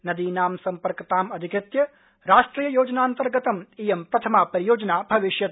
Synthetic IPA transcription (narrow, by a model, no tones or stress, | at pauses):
nɐd̪iːnaːmsɐmpɐɾkɐt̪aːmɐd̪ʱikɾɪt̪jɐ | ɾaːʃʈɾiːjɐjoːd͡ʒnaːnt̪ɐɾɡɐt̪ɐmiːjempɾɐt̪ʰɐmaːpɐɾijoːd͡ʒɐnaːbʱɐʋiʃjɐt̪